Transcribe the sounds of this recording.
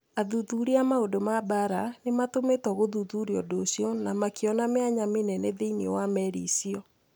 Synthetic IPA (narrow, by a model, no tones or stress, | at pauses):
aðuðuɾiamaodomabaɾanematometɔɣoðuðuɾiɔdosiɔnamakeɔnameaɲamenɛnɛðeinewamɛɾisiɔ